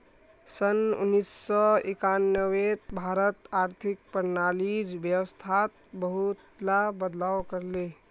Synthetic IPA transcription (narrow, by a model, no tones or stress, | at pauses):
sənṵnːisːɔikanjəwet̪bʱaɾət̪aɾt̪ʰik̚pəɾnaliɾbjəwəst̪ʰat̪̚bəɦut̪labəd̪lawkəɾle